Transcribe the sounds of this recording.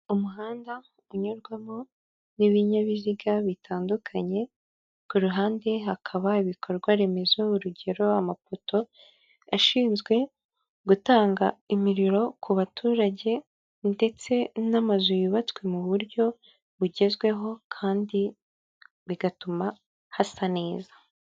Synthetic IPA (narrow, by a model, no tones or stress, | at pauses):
umuɦaːnda | uɲuɾɡwamo | niβiɲaβiziɡaβitʰaːndukʰaɲe̞ | kuɾuɦaːnde̞ɦakʰaβaiβikʰo̞ɾɡwaɾe̞me̞zouɾuɟe̞ɾo̞amafotʰo̞ | aʃiːnzɡwe̞ | ɡutaːŋɡaimiɾiɾo̞kʰuβatʰuːɾaɟe̞ | nde̞t͡se̞namazujuβat͡swe̞muβuɾɟo̞ | βuɟe̞zɡwe̞ɦo̞kʰaːndi | βiɡatuma | hasane̞ːzḁ